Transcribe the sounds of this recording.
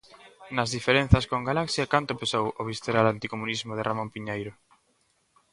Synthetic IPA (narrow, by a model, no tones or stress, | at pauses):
nazðifeɾen̟θaskoŋɡalaksjakant̪opesowoβist̪eɾalant̪ikomunizmoðeramõmpiɲejɾo